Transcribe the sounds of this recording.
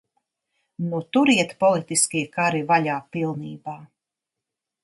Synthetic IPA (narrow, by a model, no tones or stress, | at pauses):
nut̪uɾiɛt̪pɔlˠit̪iskiɛkaɾivaʎaːpilˠniːbaː